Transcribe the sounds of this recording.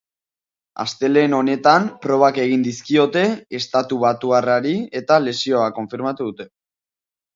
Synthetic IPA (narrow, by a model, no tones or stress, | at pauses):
a̰st̪e̞le̞ːno̞ne̞t̪ampɾo̞β̞ake̞ɣ̞ind̪iskio̞t̪e̞est̪at̪uβ̞at̪uaraɾie̞t̪ale̞sio̞ako̞ɱfiɾmat̪uðut̪e̞